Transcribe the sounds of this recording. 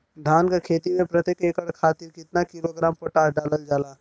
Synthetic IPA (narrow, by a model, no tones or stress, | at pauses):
d̪ʱaːnkakʰeːt̪imẽpɾət̪jekeːkəɽkʰaːt̪ɪɾkɪt̪nakiloɡɾaːmpəʈaːsɖaːləld͡ʒaːlaː